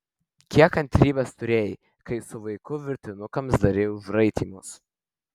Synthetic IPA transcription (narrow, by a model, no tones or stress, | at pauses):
kʲiɛkɐnt̪ʲɾʲiːbɐst̪ʊɾʲeːjɪ | kɐɪsʊʋɐɪkʊʋʲɪɾʲt̪ʲɪnʊkɐmsd̪ɐɾʲeːjʊʒɾɐɪt̪ʲiːmʊs